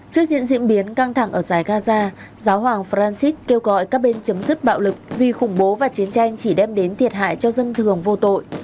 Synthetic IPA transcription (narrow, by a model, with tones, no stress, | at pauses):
t͡ɕɨ˦˥ək̚ɲɨ̰˧˥ŋzḭ˧˥ənɓi˨˦ənka˧ŋt̪ʰa˧˩ŋʔəː˧˩zaː˧˩jɣaː˧zaː˧ | zaː˨˦wɦwaː˨˩ŋfɾaː˧nsi˦˥t̚ke˧wɣɔ̰˧˨jkaː˦˥k̚ɓe˧nt͡ɕə˨˦mzɨ˦˥t̚ɓa̰ː˧˨wlɨ˨˩k̚vi˨˩xʊ˧˩ŋ͡mɓo˨˦vaː˨˩t͡ɕi˨˦ənt͡ɕa˧jŋ̟t͡ɕi˧˩ɗɛ˧mɗe˨˦nt̪ʰi˨˩ət̚ɦa̰ː˧˨jt͡ɕɔ˧zə˧nt̪ʰɨ˨˩əŋvo˧t̪o̰˧˨jʔ